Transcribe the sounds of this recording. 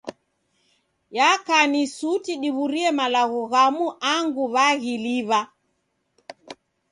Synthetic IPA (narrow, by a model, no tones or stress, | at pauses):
jakanisutiɗiβuɾiɛmalaɣɔɣamuʔaŋɡuβaɣiliβa